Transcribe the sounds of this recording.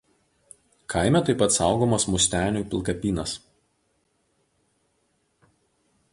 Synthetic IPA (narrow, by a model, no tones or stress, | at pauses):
kʰaɪmʲɛt̪ɐɪpɐt̪sɑˑʊɡoːmɐsmʊsʲt̪ʲæːnʲuːˑpʲɪlˠˑkɐpʲiːnɐs